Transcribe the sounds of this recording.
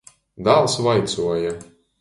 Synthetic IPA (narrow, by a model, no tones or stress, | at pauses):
d̪alˠsvajt̪suɔja